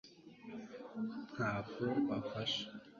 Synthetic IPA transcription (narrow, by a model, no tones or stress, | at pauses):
n̥haːb̚ɡoβafaʃḁ